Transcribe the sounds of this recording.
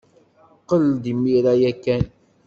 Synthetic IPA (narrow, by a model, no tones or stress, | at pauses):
qəld̪imːiɾajækːæn